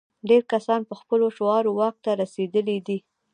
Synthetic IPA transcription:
ɖeɾkasɑnpəxpəloʃoɑɾowɑk̚t̪aɾased̪əlid̪i

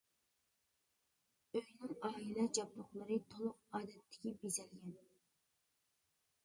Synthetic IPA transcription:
øjnɪŋɑːilˠɛd͡ʒɑblʊχlˠəɾɨt̪ʰolˠʊq̚ɑːd̪ɛt̪ʰːɪ̥kʲibezɛlɡʲɛn

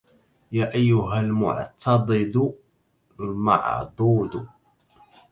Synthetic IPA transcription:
jaːʔajːʊɦalmʊ̰ʕt̪ʰɑd̪ˤɨd̪ | ma̰ʕd̪ˤuːd̪ʊ

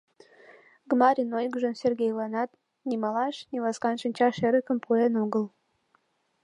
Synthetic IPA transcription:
ɡmɑɾʲinojɡʒə̆nsʲerɡʲejlɑnɑt̪ | nʲimɑlɑʃnʲilɑskɑnʃɨnʲt͡ɕɑʃeɾəkə̆mpuenoɡəl

